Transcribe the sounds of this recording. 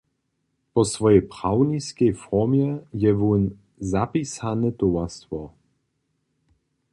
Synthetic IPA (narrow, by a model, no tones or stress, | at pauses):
pɔsvɔjɛjpʁ̥awniskɛjfɔmjɛjɛvun | zapisanɛt̪ɔwast̪vɔ